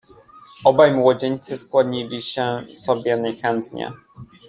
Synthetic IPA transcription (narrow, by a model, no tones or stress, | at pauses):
ɔbajmwɔd͡ʑeɲt̪sɘskwaɲilʲiɕɛsɔbʲjɛnajxɛnt̪ɲɛ̰